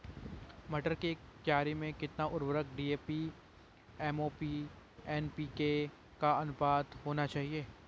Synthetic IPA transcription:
mɐʈəɾkekjaːɾimẽkɪt̪naʔʊɾwəɾək̚ɖiːeːpi | ɛːmoːpi | ɛːnpiːke | kaɐnʊbaːd̪ɦoːnat͡ʃaːɦieː

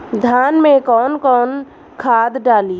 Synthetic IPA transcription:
d̪ʱjaːnmẽkɔːnkɔːn | kʰad̪ɖaːli

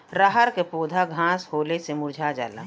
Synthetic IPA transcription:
ɾaɦəɾkepoːd̪ʱaɡʱãːshoːlesemʊɾd͡ʒʱad͡ʒa̰ːla̰ː

